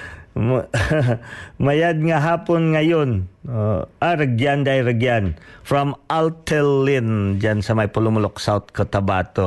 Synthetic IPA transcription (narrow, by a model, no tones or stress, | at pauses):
majad̪̚ŋaɦapʊnŋajʊn | aɾəɡiandajɾəɡianfɾɔmʔalt̪ɛlind͡ʒansamajpəlumulʊksaʊt̪̚kət̪abat̪u